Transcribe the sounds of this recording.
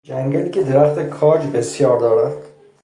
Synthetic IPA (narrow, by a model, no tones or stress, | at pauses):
d͡ʒæŋɡæliːcʲʰed̪eɾæxt̪ʰekʰɒːd͡ʒbesjɒːɾd̪ɒːɾæd̪̥